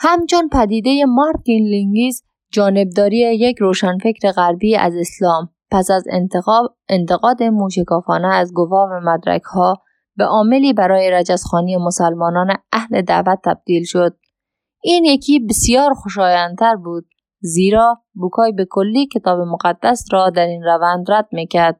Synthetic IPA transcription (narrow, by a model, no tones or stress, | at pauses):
hæmt͡ʃʰonpʰæd̪iːd̪ejemɒɾt̪inliŋɡiz | d͡ʒɒːne̞b̚d̪ɒːɾiːejekɾoːʃænfekɾeɣæɾbiːæ̰zeslɒːmpæsæz | ent̪ʰeɣɒːd̪emuːʃekɒːfɒːneːzɡovɒːvæmæd̪ɾæ̰kʰhɒː | beʔɒːmeliːbæɾɒːjeɾæd͡ʒæzxɒːniːemosælmɒːnɒːneʔæhled̪æ̰væt̪ʰːæ̰b̥̚d̪̥iːlʃod̪̥̚ | iːnjekʰiːbesijɒːɾxoʃɒːjænt̪ʰæɾbuːd̪̥̚ | ziːɾɒː | bukʰɒːjbekʰolːiːkʰet̪ʰɒːbemoɣæd̪ːæsɾɒːd̪æɾiːnɾævænd̪ɾæd̪̥̚mikʰæɾd̪̥̚